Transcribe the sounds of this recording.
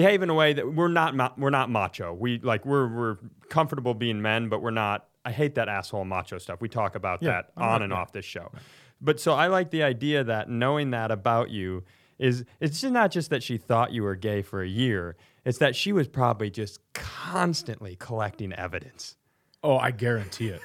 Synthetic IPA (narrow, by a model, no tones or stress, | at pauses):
b̥ɨheɪvɪ̃ŋəweɪðɨwɪɹnət̚mwɪɹnət̚mɑt͡ʃoʊwilaɪkwɪɹwɪɹkʰʌ̃ɱfə˞ɾəbl̩ˠbiɪ̃ŋmɛ̃nbʌʔwɪɹnəɾ̚ | aɪɦeɪt̪̚ðɨɾæshoʊlˠmɑ̰t͡ʃoʊstʌfwitʰɔkɨbaʊt̪̚ðæɾn̩ɨ̃nɔ̰fðɪsʃoʊ | b̥ʌtsoʊaɪlaɪk̚ðiaɪdiɨðɨtⁿnoʊɪ̃ŋðɨɾɨbaʊt͡ʃʉ | ʔɪzɨtsʌnət̚d̥ʒ̥ʌst̪̚ðɨtʃiθɔt͡ʃɨwə˞ɡeɪfə˞ɨjɪɹ | ɨtsðɨtʃiwʌz̥pʰɹ̥ɑbəblid͡ʒʌskʰɑ̃nstɨ̃nʔlikʰəlɛk̚tɪ̃ŋɛ̰vɨɾɨ̃ns | oʊa̰ɪɡɛɹɨ̃ntʰiɪt̚